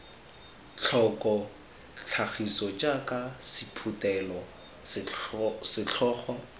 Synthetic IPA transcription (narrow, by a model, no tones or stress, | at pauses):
t͡ɬʰɔkʼɔ | t͡ɬʰaχisɔt͡ʃʼakʼasipʰutʼɛlɔ | sɪt͡ɬʰɔːχwa